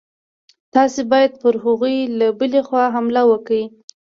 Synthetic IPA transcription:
t̪ɑsebɑjad̪̚pəɾɦʊɣujlabəlexwɑɦamlawəkawi

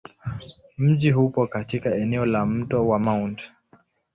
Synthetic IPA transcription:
m̩ʄihupɔkatikaɛnɛɔlam̩tɔwamawnt

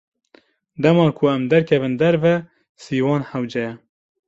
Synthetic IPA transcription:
d̪ɛmɑːkʰuɛmd̪ɛɾkʰɛvɨnd̪ɛɾvɛ | siːwɑːnhɛwd͡ʒɛjɛ

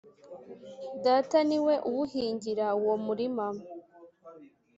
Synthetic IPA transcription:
daːtaniwe̞ʔuwuhiːɲɟiɾauwomuɾimam

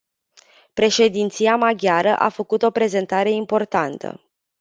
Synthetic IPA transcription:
pɾe̞ʃe̞d̪int̪siamaɡʲaɾəʔa̰fəkut̪o̞pɾe̞ze̞nt̪aɾe̞impo̞rt̪ant̪ə̰

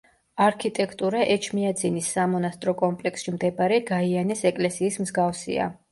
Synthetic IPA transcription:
aɾkʰit̪ʼɛkʰt̪ʼuɾaʔɛt͡ʃʰmiad̪zinisːamɔnast̪ʼɾɔkʼɔmpʼlɛksʃimd̪ɛbaɾɛɡaianɛsɛkʼlɛsiːsmzɡafsḭa̰

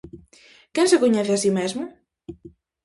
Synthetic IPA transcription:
kɛ̃nsakoɲɛθɪasimezmʊ

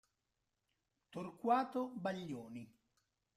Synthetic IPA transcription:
t̪orkwaːt̪obaʎːoːni

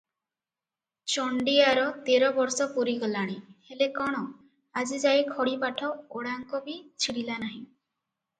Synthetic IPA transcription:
t͡ʃɔɳɖiaɾɔt̪eɾɔbɔɾsɔpuɾiɡɔlaɽ̃ihelekɔɽ̃ɔ | ad͡ʒid͡ʒajkʰɔɽipaʈʰɔoɽaŋkɔbit͡ʃʰiɽilanaɦĩ

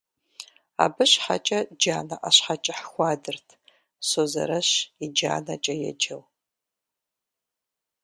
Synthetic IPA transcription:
a̰bɨɕħa̰t͡ʃʼɐd͡ʒaːnɐʔaɕħat͡ʃʼɐħxʷɑːdɨrtʰ | soːzɐ̰ɾɐɕid͡ʒa̰ːnɐt͡ʃʼɐjɛ̰d͡ʒɐw

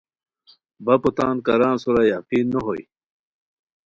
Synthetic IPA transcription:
bɐput̪aːnkɐɾaːnsuɾajaqiːnːoɦoj̰

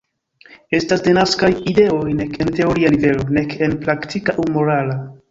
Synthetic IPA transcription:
e̞stasde̞naskajide̞o̞jne̞kente̞o̞ɾianive̞lo̞ne̞kenplaktʰikaʔumoɾala

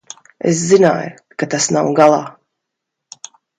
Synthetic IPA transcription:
ḛs̬zina̰ːj | kat̪asnawɡalˠa̰ː

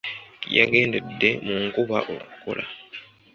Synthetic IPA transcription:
ja̰ɡe̞ːnde̞dːe̞muŋkuβaʔokkːo̰lʔa

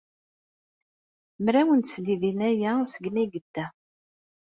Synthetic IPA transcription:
mɾæwənt̪sliðinæjæsəɡmæɡəd̪ːæ

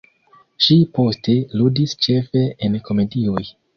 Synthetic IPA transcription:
ʃipo̞ste̞ludist͡ʃe̞fe̞enkʰo̞me̞dio̞j

